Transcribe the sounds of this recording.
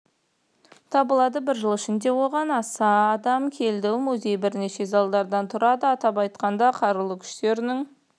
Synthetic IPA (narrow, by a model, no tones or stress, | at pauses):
t̪ʰɑbəlˠɑd̪əbɪɾʒəlˠɪʃɪnd̪e̞wo̞ʁɑnɑsɑːd̪ɑmkʲʰe̞ld̪ɪmuzʲe̞jbɪɾneʃe̞zɑlˠd̪ɑɾd̪ɑnt̪ʰʊɾɑd̪əɑt̪ɑpɑjt̪qɑnd̪ɑqʰɑɾəlˠəkʲʰʏ̥ʃt̪e̞ɾɪnɪŋ